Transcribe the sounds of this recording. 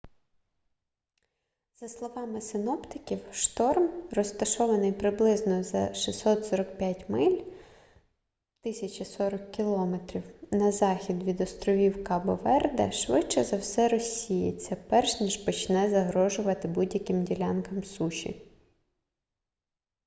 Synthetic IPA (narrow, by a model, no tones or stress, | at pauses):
z̥ɐslˠɔʋɑmɪsɪnɔpt̪ɪkʲiwʃt̪ɔrmrɔst̪ɐʃɔʋɐnɪjpɾɪblˠɪznɔzɐʃisɔt̪sɔɾɔk̚pʲjatʲmɪlʲ | t̪ɪsʲɐt͡ʃisɔɾɐkːʲilˠɔmet̪ɾʲiwnɐzɑxʲid̪ʋʲid̪ɔst̪ɾɔʋʲiwkɑbɔʋɛrd̪ɛʃʋɪt͡ʃɛzɐwsɛɾɔsʲːijḛt͡sʲːɐpɛrʃnʲiʒpɔt͡ʃnɛzɐɦɾɔʒʊʋɐt̪ɪbudʲjɐkɪmdʲilʲɑnkɐmsuʃʲḭ